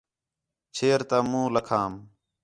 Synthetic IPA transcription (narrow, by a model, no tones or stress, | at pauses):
t͡ʃʰeːɾt̪aːmũːləkʰaːm